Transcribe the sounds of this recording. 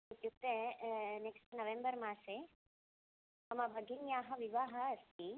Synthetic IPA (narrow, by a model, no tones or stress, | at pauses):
ut̪jukt̪eneksʈnɐʋembɐɾmaːse | ɐmɐbʱɐɡʱinjaːɦɐʋiʋaːɦɐːst̪ʰi